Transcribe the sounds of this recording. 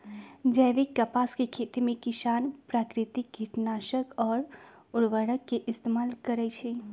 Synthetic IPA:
d͡ʒəːʋikːəpaːskekʰet̪emẽkɪʃaːnpɾaːkɾɪt̪ik̚ɡʱiʈnaːʃəkɔːɾ | ʊɽʋəɽəkːeʔɪst̪emaːlkəɾɛt͡ʃʰe

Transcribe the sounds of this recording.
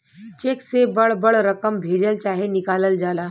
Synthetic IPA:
t͡ɕeksebəɭbəɭɾəkəmbʱeɾəlt͡ɕaɦenikaləld͡zala

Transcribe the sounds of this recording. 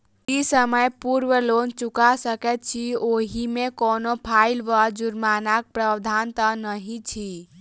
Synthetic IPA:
isəməjpuɾʋəlont͡ʃukasəkɛt̪̚t͡ʃʰioɦimekɔnopʰaɪlʋəd͡ʒuɾmanak̚pɾəd̪ʱant̪ənəɦĩt͡ʃʰi

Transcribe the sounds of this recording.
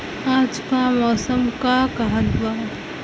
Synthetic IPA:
aːd͡ʒkamɔːsəmkakɐɦət̪baː

